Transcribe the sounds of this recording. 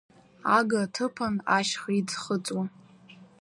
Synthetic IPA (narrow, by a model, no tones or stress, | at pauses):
aɡatʰɨpʰanaʃχid͡zχət͡sʼwa